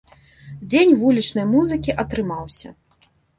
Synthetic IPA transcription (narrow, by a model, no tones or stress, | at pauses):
d͡zʲenʲvulʲit͡ʂnɐjmuzɨkʲiʔɐt̪ɾɨmawsʲɐ̰